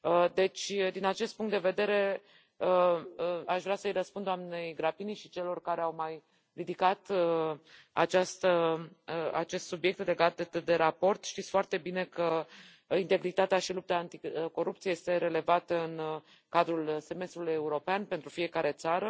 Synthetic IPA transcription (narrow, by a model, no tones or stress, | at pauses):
əd̪e̞t͡ʃʲd̪inat͡ʃe̞st̪puŋkt̪d̪e̞ve̞d̪e̞ɾe̞ | ə | aʃvɾeasəjrəspund̪oamne̞jɡɾapiniʃit͡ʃe̞lo̞rkaɾe̞awmaj | rid̪ikat̪ | a̰t͡ʃast̪əəa̰t͡ʃe̞st̪subije̞k̚t̪le̞ɡat̪d̪e̞ɾapo̞rt̪ʃt̪it̪sʲfoart̪e̞bine̞kə | int̪e̞ɡɾit̪at̪eaʃilup̚t̪aːnt̪iko̞ɾup̚t̪sijeje̞st̪e̞ɾe̞le̞vat̪əɨn | kad̪ɾulse̞me̞st̪ɾuluje̞uɾo̞peanpent̪ɾufije̞kaɾe̞t̪saɾə